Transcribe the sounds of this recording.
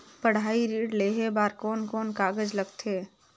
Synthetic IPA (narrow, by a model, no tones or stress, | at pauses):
pəɽ̤aːiɾiːɽleːɦebaːɾkɔːnkɔːnkaːɡəd͡ʒləɡt̪ʰeː